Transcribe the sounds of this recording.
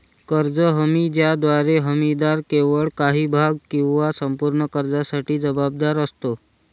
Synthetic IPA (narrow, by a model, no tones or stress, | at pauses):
kəɾd͡zəɦəmid͡ʒjad̪ʋaɾeɦəmid̪aɾkeʋəɭkaɦibʱaɡ̚kĩw̃ʋasəmpuɾɳəkəɾd͡zasaʈiːd͡zəbab̚d̪aɾəst̪o